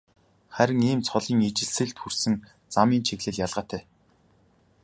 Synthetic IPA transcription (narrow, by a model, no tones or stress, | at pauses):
χæɾʲɪ̆ŋiːmt͡sʰχɔɮiːŋet͡ɕɘ̆ɮsɘ̆ɮt̪xur̥sɘ̆ŋ | t͡samiːnt͡ɕʰeɣɮɘ̆ɮjaɮʁaːt̪ʰæː